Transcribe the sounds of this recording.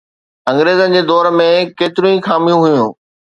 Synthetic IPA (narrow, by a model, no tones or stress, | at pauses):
ɐ̃ŋɡɾeːzənɪ̆d͡ʑeːd̪ɔːɾmẽkeːt̪ɪɾũĩxaːmijũɦʊjũː